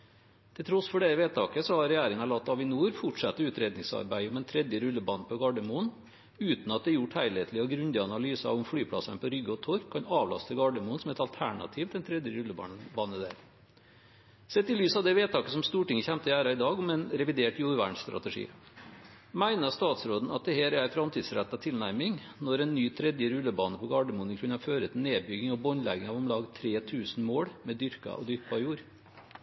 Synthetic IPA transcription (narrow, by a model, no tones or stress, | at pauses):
t̪ʰɪlt̪ʰɾɔsfɔɖɛʋeːt̪ʰɑːkəsɔhɑɾɾɛjæːɾɪŋɑlɑt̪ːɑʋɪnuːɾfʊʈʂɑt̪ːəʉːt̪ɾeːd̪nɪŋsɑ̰ɾbæɪɔmɛnt̪ʰɾɛd̪jəɾʉlːəbɑːnəpʰɔɡɑɖəmuːn | ʉːt̪nɑt̪̚d̪ɛjʊʈhæɪleːt̪l̩ɪɔɡɾʉnd̪ɪɑnɑlyːsɑʊmfɽyːpʰɽɑ̰sənəpɔɾʏɡəɔt̪ʰoɾkʰɑnɑːʋlɑ̰st̪ʰəlɡɑɖəmuːnsɔmɛt̪ɑlt̪ʰæɳɑ̰t̪ʰiːʋd̪ɛnt̪ʰɾɛd̪jəɾʉlːəbɑ̰bɑːnəd̪æ̰ːɾ | sɛt̪ːɪlyːsɑʋd̪ɛʋeːt̪ʰɑːkəsɔmst̪uːʈɪŋːəçæmt̪əæːɾɑɪd̪ɑːɡɔmɛnɾɛʋɪd̪eːʈjuːɾʋæ̰ːɳsst̪ɾɑ̰t̪əʂḭː | mæɪnəst̪ɑːt̪sɾoːd̪n̩ɑt̪̚d̪ɛheːɾææɾfɾɑmt̪ʰiːd̪sɾæt̪ːɑt̪ʰɪlnæɾmɪŋ | nɔɾɛnːyːt̪ʰɾɛd̪jəɾʉlːəbɑːnəpʰɔɡɑːɖəmuːnənkʰʉnːɑføːɾət̪ʰɪlneːbʏɡɪŋɔbɔnlɛɡɪŋɑʋɔmlɑːɡt̪ʰɾeːt̪ʰʉːsn̩moːɽmɛd̪ʏɾkɑ̰ʔɔ̰d̪ʏɾpɑjuːɾ